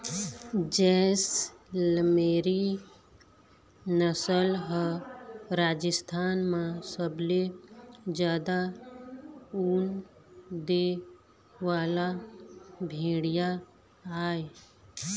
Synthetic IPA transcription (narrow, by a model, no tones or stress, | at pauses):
d͡ʒɛːsləmeːɾi | nəsəlɦə | ɾaːd͡ʒəst̪ʰaːnmãsəbled͡ʒjaːd̪a | uːn | d̪e | ʋaːla | bʱẽːɽija | aːe